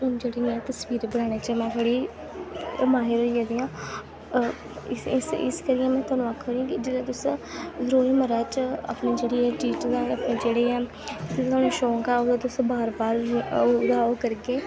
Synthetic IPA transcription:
d͡ʒeːɽinːãːt̪əsʋiːɾbəɽaːɽ̃eːt͡ʃəmɛ̃ːt̪ʰəɽiː | maːɦɪɾɦoːiãːd̪iːãː | ɪɪsɪ̰skəɾɪjɛ̃ːmɛ̃ːt̪waːnũːakʰːoːɾiãːkɪd͡ʒeɾaːt̪ʊsɾoːiməɾaːt͡ʃəa̰pneːd͡ʒeːɽeːɛːʈiːʈd̪aəpneːd͡ʒeːɽeːɛː | ɪt̪et̪ʰaːnũːʃoːkaːoːd̪aːt̪ʊsbaːɾbaːɾd̪aːoːkəɾɡeː

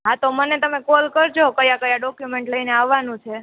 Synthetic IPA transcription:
ɦat̪omənet̪əmekɔlkəɾd͡ʒokəjakəjaɖɔkjumeɳʈləineaʋːanũt͡ʃʰe

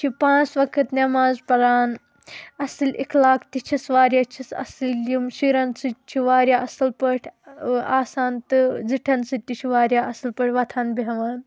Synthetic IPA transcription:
t͡ʃʰipãːt͡sʋɐkʰɨt̪nɐmaːzpɐlaːn | ɐsɨlʲekʰlaːkʰt̪it͡ʃʰisʋaːɾjat͡ʃʰisɐ̰sɨlimʃiːɾɐnsɨt͡ʃʰiʋaːɾʲjaːʔɐsɨlpəʈʲʰaːsaːnt̪ɨd͡ziʈʰɐnsɨt̪ʲːit͡ʃʰiʋaːɾʲjaːɐsɨlpəʈʰʲʋɐt̪ʰaːnbiɦɐʋaːn

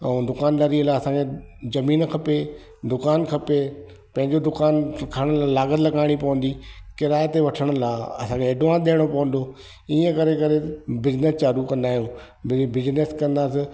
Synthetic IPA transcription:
ɛ̃d̪ʊkaːnlɐɾiəlaːɐsãkʰe | zɐmiːnkʰɐpe | d̪ʊkaːnkʰɐpe | pɐ̃ɦɪ̃ɲd͡ʑod̪ʊkaːnkʰaːɽ̃ʊlaːlaːɡət̪lɐɡaːɪɽ̃ipɐʋə̃n̆d̪ikɪɾaːjt̪eʋɐʈʰəɽ̃ʊ̆laːɐsãːkʰeːɖʊãːnd̪eːɽ̃opɐʋə̃n̆d̪o | iːə̃kɐɾekɐɾebɪznest͡ɕaːɾukɐ̃nd̪aːɦijũ | bɪbɪzneskɐ̃nd̪aːsɪ

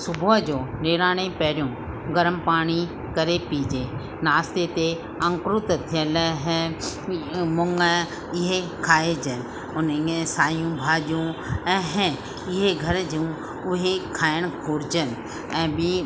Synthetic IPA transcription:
sʊbʱuəd͡ʒoːneːɾaːɽ̃epɛːɾjũː | ɡɐɾəmpaːɽ̃i | kɐɾepiːd͡ʒeː | naːst̪et̪e | ɐ̃ŋkɾʊt̪t̪ʰijəlɦɛ̃ | mʊŋɡə | ɪɦekʰaːed͡ʒən | ʊnẽsaːjũbʱaːd͡ʒjũɛ̃ːɦɛ̃ | ɪɦeɡʱɐɾd͡ʒiũ | ʊɦekʰaːəɽ̃kʰoːɾd͡ʒən | ɛ̃ːbi

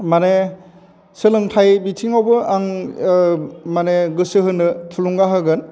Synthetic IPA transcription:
mane | sɯlɯŋtʰajbitʰiŋawbɯaŋ | maneɡɯsɯɦɯnɯtʰuluŋɡaɦɯɡɯn

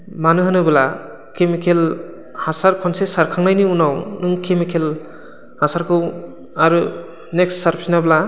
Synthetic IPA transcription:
manɯɦɯnɯbɯla | kʰemikʰel | hasaɾkʰɔnsesaɾkʰaŋnajniunawnɯŋkʰemikʰel | hasaɾkʰɯw | aɾɯ | neksːaɾpʰsinabla

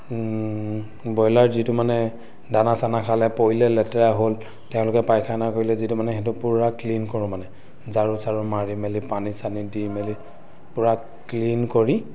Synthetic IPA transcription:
bɔjlaɹzitumanɛ | danasanakʰalɛpoilɛlɛtɛɹaɦol | tɛʊ̃lʊkɛpajkʰajnakoɹilɛzitumanɛxɛt̬ʊpuɹaklinkoɹʊ̃manɛ | zaɹusaɹumaɹimɛlipanisanidimɛli | pʊɹa | klinkoɹi

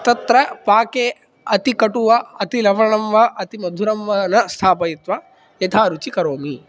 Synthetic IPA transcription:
t̪ɐt̪ɾɐpaːkeː | ɐt̪ikɐʈuʋɐɐt̪ilɐʋɐɳɐmʋɐʔɐt̪imɐd̪ʱuɾɐmʋɐnɐst̪ʰaːpɐjit̪ʋɐ | jɐt̪ʰaːɾut͡ʃikɐɾoːmi

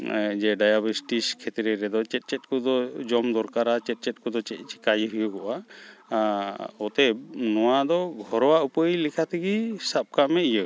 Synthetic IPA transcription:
d͡ʒɛɖajabəsʈiskʰɛt̪ɾɛɾɛd̪ɔt͡ʃɛt̪̚ˀt͡ʃɛt̪̚kɔd̪ɔd͡ʒɔmd̪ɔɾkaɾat͡ʃɛt̪̚ˀt͡ʃɛt̪̚ˀkɔd̪ɔt͡ʃɛt̪̚t͡ʃi̥kajɦujəɡɔʔa | ɔt̪ɛbnɔwad̪ɔɡʱɔɾɔwaʔupəilikʰat̪ʰiɡisap̚kamɛijə

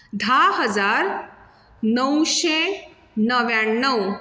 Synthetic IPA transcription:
d̪ʱaɦəd͡zaɾ | nəwɕe | nəʋjaɳːəw

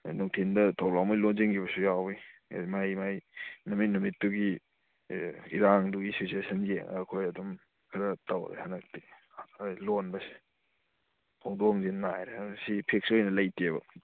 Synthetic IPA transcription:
nuŋtʰindɐtʰawlawmajlonziŋɡibɐsujawbimajmajnɐmit̚numitːuɡi | iɾaŋduɡisisesɐnɡieɐkʰojɐdum | kʰɐɾɐtawɾḛhanɐk̚ti | lonbɐsi̥ | pʰoŋdoŋzinnajɾesipʰek̚sojnɐlɐjteβɐ̰

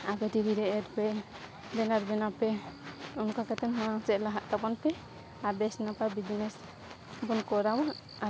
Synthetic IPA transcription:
apɛʈiɾiɾɛʔɛɾpɛ | bɛnaɾbɛnapɛunkakɛt̪ɛnɦɔasɛʔlaɦaʔt̪apɔnpɛ | aɾbɛsnapabid͡ʒnɛs | bɔnkɔɾawa | a

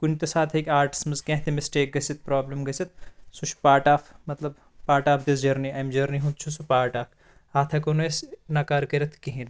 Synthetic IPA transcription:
kunt̪esaːt̪ʰɐkʲaːɾʈi̥smɐzkẽɦt̪imisʈeːk̚ɡɐsit̪̚pɾaːblɐmɡɐsit̪sut͡ʃʰpaːʈaːfʰmɐt̪lɐb | paːʈaːpʰd̪esd͡ʒɐɾniɐjmd͡ʒɐɾniɦũt̪̚t͡ʃʰusupaːʈaːkʰ | aːt̪ʰɐkonesnɐkaːɾkɐɾɐt̪ʰkiɦĩn

